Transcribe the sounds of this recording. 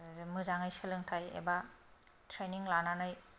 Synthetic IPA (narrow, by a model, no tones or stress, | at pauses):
mɯzaŋajsɯlɯŋtʰajḛba | tʰɾeniŋlananaj